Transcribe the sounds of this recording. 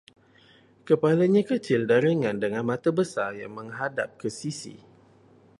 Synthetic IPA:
kəpalaɲãkət͡ʃɪldaɾəŋãndəŋanmãt̪abəsarjaŋmə̃ŋɦada̰p̚kəsisḭ

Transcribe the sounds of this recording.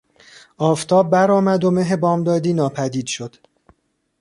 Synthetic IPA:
ɒːft̪ʰɒːbːæɾɒːmæd̪o̞meɦebɒːmd̪ɒːd̪iːnɒːpʰæd̪iːd̪̥ʃod̪̥

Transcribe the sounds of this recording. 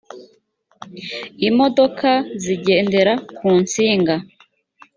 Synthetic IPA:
imo̞do̞kʰaziɟe̞ːnde̞ɾakuːnt͡siːŋɡa

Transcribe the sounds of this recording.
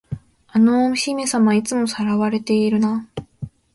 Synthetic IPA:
ano̞ɕimesamait͡sɨmo̞saɾaβaɾe̞t̪e̞iɾɯ̟na

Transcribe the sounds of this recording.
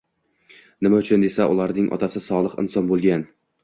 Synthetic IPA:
nɪmaʊt͡ʃʰʊnd̪e̞saʔʊlˠaɾnɪŋʔɒ̰t̪ʰasɪsɒlˠɨqɪ̰nsɒnbolˠɡʲan

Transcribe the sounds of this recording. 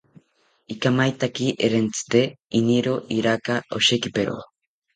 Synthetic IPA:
ikamajt̪akiʔeɾent͡sɨ̥t̪einiɾoʔiɾakaʔo̰ʃekipeɾo̰

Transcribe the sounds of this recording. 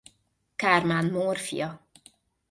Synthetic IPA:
karmaːnmoːrfḭjɒ

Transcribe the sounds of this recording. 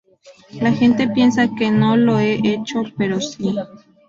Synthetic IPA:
laxent̪epjensakenoloeʔet͡ʃopeɾosi

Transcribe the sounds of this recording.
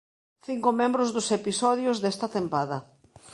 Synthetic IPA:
θiŋkʊmẽmbɾʊzðʊsepisɔðjʊzðest̪ɐt̪empaðɐ

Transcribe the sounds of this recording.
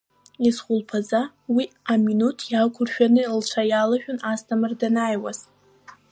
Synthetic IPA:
isχʷʊlpʰaza | wiaminutʰjakʷʰʊrʃᶣanɨilʈ͡ʂʷʰajalaʃᶣʊnastʰamɨrdanaːjwa̰z̥

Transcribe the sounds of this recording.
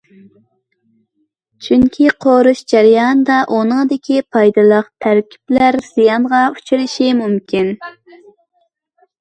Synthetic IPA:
t͡ʃʰyŋkʲʰiqʰoɾuʃd͡ʒæɾjɑnd̪ɑʔunɨŋd̪ɪkʲʰipʰɑjd̪ɨlˠəqt̪ʰæɾkʲʰi̥plæɾz̥ijɑnʁɑut͡ʃʰiɾɪʃimumkʲin

